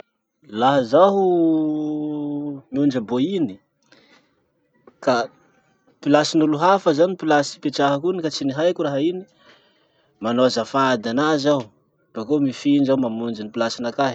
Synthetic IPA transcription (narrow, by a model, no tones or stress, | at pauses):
laɦazaɦu | miund͡ʒəboini̥ | ka | pilasinuluɦafəzanipilasi̥peʈ͡ʂaɦakunikat͡siniɦajkuraɦaini̥ | manoazəfad̪anazau | b̥akomifiɳd͡ʒaumamund͡ʒinipilasinakaɦi̥